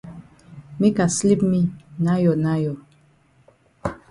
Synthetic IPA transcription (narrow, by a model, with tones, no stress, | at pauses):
me˦ka˨sli˦pmi˦na˦jɔ˨na˦jɔ˨